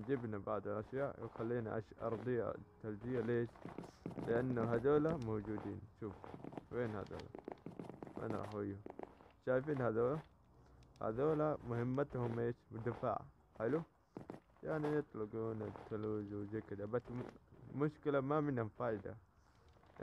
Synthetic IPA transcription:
nd͡ʒibnabaʕd̪ˤalʔaʃjaːʔjɪxalːiːna̰ʔa̰ʃʔɑ̰ɾˤd̪ˤija̰t̪ːalbijaleːʃlɪʔanːuɦad̪oːlamowd͡ʒuːd̪ḭːnʃuːfweːnha̰d̪o̰ːla̰ | wa̰nɾˤɑ̰ħwɪjuʃaːjfiːnhad̪oːla | ha̰d̪oːlamʊhɪmːat̪hʊmʔeːʃmʊd̪afa̰ʕ | ħɪlu | jaʕnijɨt̪ˤlʊɡuːnat̪ʰaluːd͡ʒwzekid̪abasːmʊʃkɪlamamɪnhamfaːʔɪd̪a̰

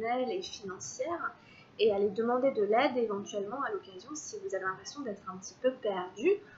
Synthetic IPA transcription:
nɛlefinɑ̃sjɛːʁ | ealed̪əmɑ̃d̪ed̪əlɛd̪evɑ̃t̪ɥɛlmɑ̃alɔkazjɔ̃sivuzavelɛ̃pχesjɔ̃d̪ɛt̪χɛ̃pət̪i̥pøpɛʁd̪y

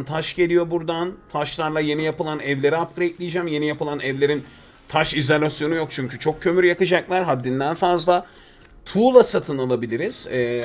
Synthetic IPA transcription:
nt̪ʰaʃɟe̞lʲijo̞buɾd̪ant̪ʰaʃlˠaɾlˠaje̞nijapɯlˠanɛvlʲe̞ɾiap̚kʰɯɾaɛt̪lʲijd͡ʒɛmje̞nijapɯlˠanɛvlʲe̞ɾin | t̪ʰaʃizolʲasjo̞nujo̞k̚t͡ʃʰyɲcʰyt͡ʃʰo̞k̚cʰø̞myɾjakɯd͡ʒaklˠaɾɦad̪ːind̪ænfazlˠa | t̪ʰuːlˠasat̪ʰɯnalˠabilʲiɾiz̥ɛː

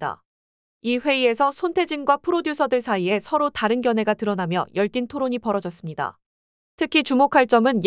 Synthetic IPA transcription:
a̰ | iɸwe̞ie̞sʰʌsʰontʰe̞d͡ʑinɡwapʰɯɾodjusʰʌdɯɭsʰaie̞sʰʌɾotaɾɯnɡjʌnɦe̞ɡatɯɾʌnamjʌ̰jʌɭt͈intʰoɾoɲipʌɾʌd͡ʑʌs͈ɯmɲida̰ | tʰɯkʰit͡ɕumokʰaɭt͡ɕ͈ʌmɯnj

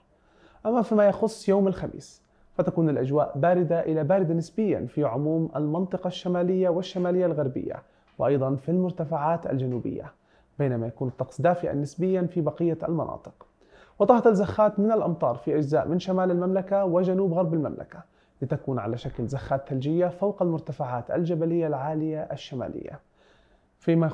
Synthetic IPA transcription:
ʔamːafiːmajɑxʊsˤːjoːmalxamḭːs | fat̪akuːnɪlʔad͡ʒwa̰ːʔbaːɾɪd̪aʔɪlabaːɾɪd̪anɪsbɪjːa̰fiʕʊmuːma̰lmɑnt̪ˤɨqɑʃːamaːlɪjːawɪʃːamaːlɪjːalɣaɾˤbɪ̰jːa̰ | wɪʔɑjd̪ˤɑnfilmʊɾt̪afaʕaːt̪a̰ld͡ʒanuːbɪ̰jːa̰ | beːnamajakuːnɨt̪ˤːɑqsˤd̪aːfɪʔa̰nːɪsbɪjːanfibɑqɪjːa̰lmɑnʔɑ̰ːt̪ˤɨ̥q | wt̪ˤɑht̪alzaxːaːt̪mɪnalʔɑmt̪ˤɑːɾˤfiʔad͡ʒzaːʔmɪnʃamaːlalmamlakawɪd͡ʒanuːbɣɑɾˤbalma̰mla̰ka | lɪt̪akuːnʕa̰laʃaklzaxːaːt̪θald͡ʒɪjːafawqalmʊɾt̪afaʕaːt̪a̰ld͡ʒabalɪjːalʕaːlɪjaʔaʃːama̰ːlɪ̰jːa̰ | fima

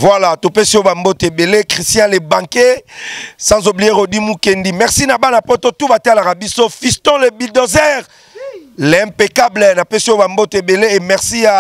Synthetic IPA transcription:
vwalatopesiobambotebelekʁistjɛ̃lebãŋke | sãzoblijeʁodimukendimɛʁsinabanapototubatalakabisofistɔ̃lebildozɛʁ | lɛ̃mpekablɛnapesiobambotebeleemɛʁsia

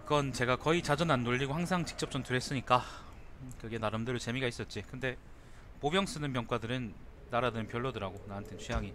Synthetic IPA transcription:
k͈ʌnt͡ɕe̞ɡakʌit͡ɕad͡ʑʌnanːoʎːiɡohaŋsʰaŋt͡ɕi̥k̚t͡ɕ͈ʌp̚t͡ɕomtɯɾes͈ɯɲik͈a | kɯɡenaɾɯmdɯɾɯɭt͡ɕe̞miɡais͈ʌt̚t͡ɕ͈ikɯnde̞ | pobjʌŋs͈ɯnɯnpjʌŋk͈wadɯɾɯnː | aɾadɯnɯnpjʌɭːodɯɾaɡonaɦantʰɯnt͡ɕʰijaŋi

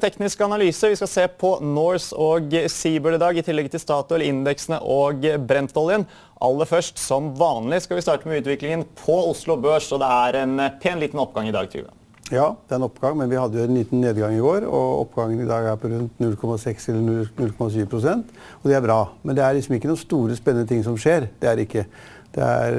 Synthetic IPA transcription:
t̪ʰɛknɪskəɑnɑlyːsəʋɪskɑseːpʰɔnɔɹsɔɡsiːbəɭɪd̪ɑːɡɪt̪ʰɪlːɛɡt̪ʰɪlst̪ɑːt̪ʊɛlːəɾɪnd̪ɛksənəʔɔɡbɾɛnt̪ɔːlɪən | ʔɑ̰lːəfœʂʈsɔmʋɑːnlɪskɑlʋɪst̪ɑːʈəmɛʉːt̪ʋɪklɪŋənpʰɔʊslʊbøːʂɔd̪ɛæɾɛnpʰeːnliːt̪n̩ɔpːɡɑŋːɪd̪ɑ̰ːɡt̪ʰḭːʋə̰ | jɑːd̪̥ɛæɾɛnɔpːɡ̥ɑŋmɛnʋɪhɑd̪ːəjʊɛnliːt̪n̩neːd̪ɡɑŋːɪɡoːɾɔ̰ɔ̰pːɡɑŋːənɪd̪ɑːɡæɾpʰɔɾʉnt̪nʉlːkʰɔmɑsɛksɛlːəɳʉlnʉlkʰɔmɑsyːʋpʰɾʊsɛnt̪ | ɔd̪ɛæɾbɾɑːmɛnd̪ɛæɭɪksɔmɪkːənuːst̪uːɾəspɛnənət̪ʰɪŋsɔmʂeːɾd̪̥ɛæɾɪkːə | d̪̥ɛ̰æ̰ɾ

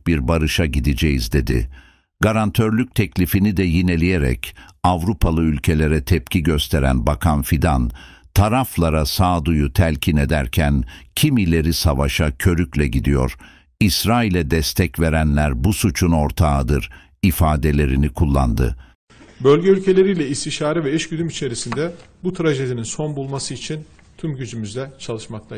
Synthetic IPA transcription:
biɾbaɾɯʃaɟid̪id͡ʒɛjizd̪e̞d̪ɪ̰ | ɡ̥aɾant̪ʰøɾlʲyc̚t̪ʰɛclʲifinid̪ɛjine̞lʲijeɾɛ̰cavɾupʰalˠɯylʲcʰe̞lʲe̞ɾɛt̪ʰɛpcʰiɟø̞st̪ʰe̞ɾæ̰nbakʰanfid̪an | t̪ʰaɾaflˠaɾasaːd̪ujut̪ʰælʲcʰine̞d̪æɾcʰæncʰimilʲe̞ɾisavaʃacʰø̞ɾyclʲɛɟid̪ijo̞̰ɾ̥ | isɾaːilʲɛd̪ɛst̪ʰɛcve̞ɾænlʲæɾbusut͡ʃʰuno̞ɾt̪ʰad̪ɯɾ | ifaːd̪e̞lʲe̞ɾinikʰulˠːa̰nd̪ɯ̰ | bølʲɟɛylʲcʰe̞lʲe̞ɾijlʲɛist̪iʃaːɾɯvɛɛʃɟyd̪ymit͡ʃʰe̞ɾisind̪ɛbut̪ʰɾaʒed̪ininso̞nbulˠmasɯit͡ʃʰin | t̪ʰymɟyd͡ʒymyzd̪ɛt͡ʃʰalˠɯʃmak̚lˠa

